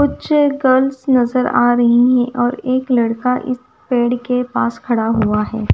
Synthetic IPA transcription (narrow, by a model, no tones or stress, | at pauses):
kʊt͡ʃʰɡɐlsnɐzəɾa̰ːɾɐɦiɦɛ̃ʔɔːɾeːklɐɽkaʔɪ̰s | peːɽkepaːskʰɐɽaɦuaɦɛ̰ː